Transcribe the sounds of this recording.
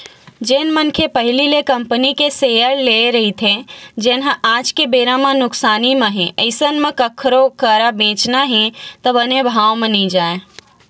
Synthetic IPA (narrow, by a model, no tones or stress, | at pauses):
d͡ʒeːnmənkʰepəɦɪlilekɐmpənikesejəɾleɾɐɦit̪ʰed͡ʒeːnɦə̃ʔaːd͡ʒkebeːɾãmãnʊksaːnimə̃ɦɛ̃ʔəɪsənmẽkɐkʰːɾokəɾabẽːt͡ʃnaɦɛ̃t̪əbənebʱaːʋmẽniid͡ʒaːe